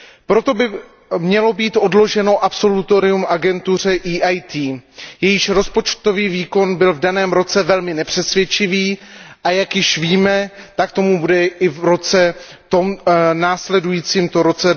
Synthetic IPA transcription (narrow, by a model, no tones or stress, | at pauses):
pɾo̞t̪o̞bɪ | mɲɛlo̞biːt̪ʔo̞dlo̞ʒɛno̞ʔapso̞lut̪oɾɪumʔaɡɛnt̪ur̝ɛʔiːʔajt̪iːjɛjɪʃɾo̞spo̞t͡ʃt̪o̞viːviːko̞nbɪlvdanɛːmɾo̞t͡sɛvɛlmɪnɛpr̝̥ɛsvjɛt͡ʃɪviːʔajakjɪʃviːmɛt̪akt̪o̞mubudɛʔɪvɾo̞t͡sɛ | t̪o̞mnaːslɛdujiːt͡siːmt̪oɾo̞t͡sɛ